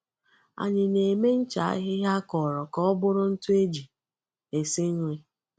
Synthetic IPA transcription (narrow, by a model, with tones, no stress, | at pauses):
a̰˨ɲɪ˨ne˨me˦n̩˦t͡ʃa˨a̰˦ɦɪ˦ɦja˦kɔ˨ɾɔ˨kɔ˦ɔ˦bʊ˦ɾʊ˦n̩˦tu˦e˦d͡ʒi˨ | e˨sɪ˦ŋ̩˦ŋʷe˦